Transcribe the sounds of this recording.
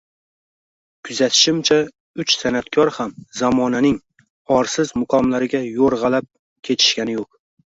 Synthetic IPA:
kʰʊzat̪ʰɪ̥ʃɪmt͡ʃʰa | ʊt͡ʃsanat̪kʲʰɒɾhamzamɒnanɪŋ | ɒɾsɪzmʊqʰɒmlaɾɪɡʲajoɾʁɑlap̚ | kʲʰe̞t̪ʰɪ̥ʃkʲanɪjoq̚

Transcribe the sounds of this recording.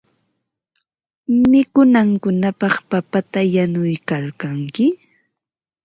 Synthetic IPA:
mɪkʊnaŋkʊnapɑχpapat̪ajanʊjkaɾkaŋkɪ

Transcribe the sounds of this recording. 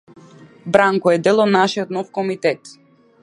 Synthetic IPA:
bɾaŋkɔɛd̪ɛlˠɔd̪naʃiɔt̪nɔfkɔmit̪ɛt̪

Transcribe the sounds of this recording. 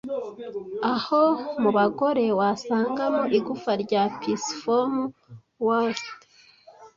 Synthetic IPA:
ahomuβaɡo̞ɾe̞wasaːŋɡamoʔiɡufaɾɟaːpisfomu | wast

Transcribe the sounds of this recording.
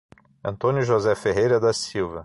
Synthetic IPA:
ɐ̃nt̪õnʲʊʒozɛfeɦejɾɐd̪ɐsiwvɐ

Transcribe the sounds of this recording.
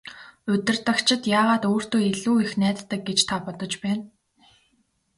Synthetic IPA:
ɵt̪ɵ̆rt̪ə̆kt͡ɕʰɪ̆t̪jaːʁaːt̪oːr̥t̪oːeɮuːixnæːt̪ːə̆k̚ɡet͡ɕt̪ʰapɔt̪ɞ̆t͡ɕpæːn

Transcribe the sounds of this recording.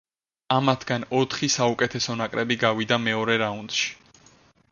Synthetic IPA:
amat̪ʰɡanɔt̪ʰχisaukʼɛt̪ʰɛsɔnakʼɾɛbiɡavid̪amɛɔɾɛɾaund̪̥ʃi̥

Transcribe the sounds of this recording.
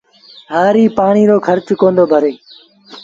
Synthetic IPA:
ɦaːɾiːpaːɳ̃iːɾoːkʰəɾt͡ʃkõːnd̪oːbʱəɾeː

